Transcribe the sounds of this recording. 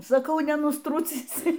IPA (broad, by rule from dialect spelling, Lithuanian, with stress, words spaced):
sɐˈkɐʊ nʲɛnʊsˈtrʊt͡sʲiːsʲɪ